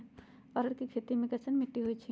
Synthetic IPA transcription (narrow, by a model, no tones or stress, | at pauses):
ɔɾəɾkikʰeːt̪imẽkɐsənmɪʈːiɦoit͡ʃʰi